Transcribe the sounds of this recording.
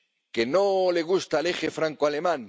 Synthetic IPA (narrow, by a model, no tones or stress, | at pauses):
kenoleɣ̞ust̪alexefɾaŋkoale̞mãn